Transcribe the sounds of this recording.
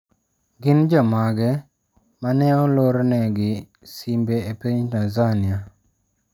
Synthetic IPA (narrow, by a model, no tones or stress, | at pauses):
ɡɪnd͡ʒɔmaɡɛ | manɛɔloɾnɛɡɪ | simbeepeɲtanzania